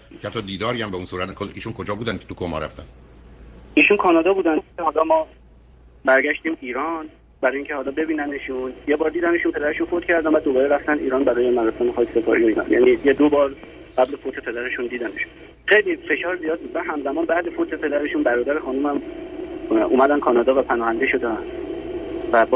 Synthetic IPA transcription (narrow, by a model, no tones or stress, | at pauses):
æt̪ːɒd̪iːd̪ɒːɾiæmbeunsuːɾæt̪nkʰolḭːʃunkʰod͡ʒɒːbuːd̪ænkʰe̥t̪ukʰomɒ̰ɾæ̰ft̪æ̰n | iːʃunkʰɒːnɒːd̪ɒːbuːd̪æneɦɒːlɒːmɒː | bæɾɟæʃt̪iːmiːɾɒn | bæɾɒːjiːŋcʰehɒːlɒːbe̞biːnæneʃunjebɒːɾd̪iːd̪æneʃunpʰe̞d̪æɾe̞ʃunfot̪cʰæɾd̪ænvæd̪obɒːɾeɾæft̪ænd̪iːɾɒːnbæɾɒːjemæɾɒsɒːnexɒːkʰe̥se̞pʰɒ̰ɾijoiːnɒ̰njæ̰niːjed̪obɒːɾ | ɢæblefot̪ʰe̞pʰe̞d̪æɾe̞ʃund̪iːd̪æneʃun | xejlife̞ʃɒːɾzijɒːd̪̚bud̪mænɦæmzæmɒːnbæhd̪efot̪ʰe̞pʰe̞d̪æɾe̞ʃunbæɾɒːd̪æɾexɒːnumæm | ʔṵːmæd̪ænkʰɒːnɒːd̪ɒːvæpʰænɒːhænd̪e̞ʃo̞d̪en | væb